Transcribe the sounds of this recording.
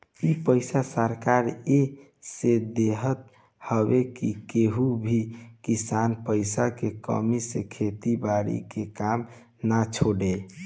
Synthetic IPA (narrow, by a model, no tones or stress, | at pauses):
ipəɪsasəɾkaɾe | sed̪eɦət̪̚ | həbekikeɦubʱikisanpəɪsakekə̰misekʰet̪ibaɾḭkekam | nat͡ʃʰoɖe